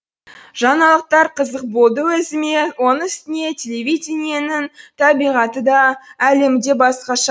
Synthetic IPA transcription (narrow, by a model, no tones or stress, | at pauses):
ʒ̥ɑnɑlˠəq̚t̪ɑɾqʰəzəq̚bo̞lˠd̪əwɵzɪme̞wo̞nəɪst̪ɪne̞tʲʰe̞lʲevʲijd̪ʲenijenɪŋt̪ʰɑbijʁɑt̪əd̪ɑæle̞md̪e̞bɑsqɑʃɑ